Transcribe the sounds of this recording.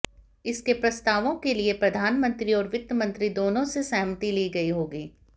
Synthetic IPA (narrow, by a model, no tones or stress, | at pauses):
ɪskepɾɐst̪aːʋõkeliepɾɐd̪ʱaːnmə̃nt̪ɾiɔːɾʋɪt̪ːəmə̃nt̪ɾid̪oːnõsesɛːɦmət̪iliːɡɐiɦoːɡiː